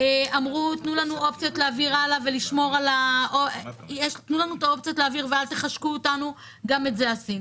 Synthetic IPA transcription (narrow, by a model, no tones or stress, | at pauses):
eamʁutnulanuo̞p̚t͡sjotleaviʁalaveliʃmo̞ʁalaʔojeʃt̪nulanuet̪ao̞pt͡sijotleaviʁvealt̪eχaʃkuːtanu | ɡame̞tzeasin